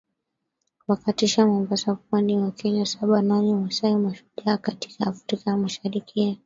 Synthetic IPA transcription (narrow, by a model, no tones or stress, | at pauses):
wakatiʃamambasapandiwakiɲasaɓanaɲiwasaimaʃu̥ʄaːkati̥kaːfɾikajamaʃaɾikʰia